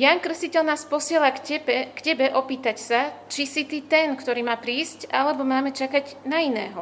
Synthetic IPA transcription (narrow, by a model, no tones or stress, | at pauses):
jankr̩scicɛʎnaːspɔsɪɛlakɛbɛkcɛbɛʔɔpiːt̪acsat͡ʃisit̪iːt̪ɛnkt̪ɔɾiːmaːpɾiːscʔalɛbɔmaːmɛt͡ʃakaɟnainɛ̰ːɦɔ